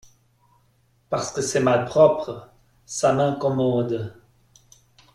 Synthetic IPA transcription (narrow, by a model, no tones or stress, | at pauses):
paʁsə̥kəsɛmalpχɔpχə | samɛ̃kɔmɑ̃d̪